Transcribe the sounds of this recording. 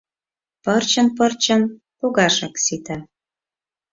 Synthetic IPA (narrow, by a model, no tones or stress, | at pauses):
pərt͡ɕə̆npərt͡ɕə̆n | poɣɑʃɑksit̪ɑ